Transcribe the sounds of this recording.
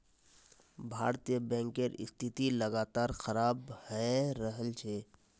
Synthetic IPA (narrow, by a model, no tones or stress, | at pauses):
bʱaːɾt̪ijəbɛ̃ːŋkeɾɪ̰st̪ʰɪt̪iləɡaːt̪aːɾxəɾaːbhɛɾəɦəlt͡ʃʰeː